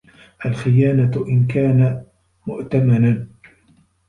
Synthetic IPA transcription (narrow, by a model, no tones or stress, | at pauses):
ʔalxɪjaːnaʔɪnkaːna | mʊʔt̪amanan